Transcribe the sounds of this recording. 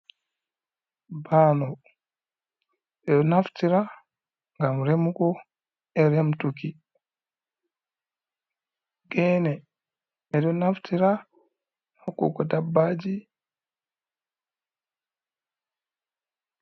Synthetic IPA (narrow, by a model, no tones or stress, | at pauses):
baːnɔ | ɛdɔnaftiɾa | ŋɡamɾemukɔ | ɛɾɛmtuki | ɡɛːnɛ | ɛdɔnaftʰiɾa | hakːṵkɔdabːad͡ʒi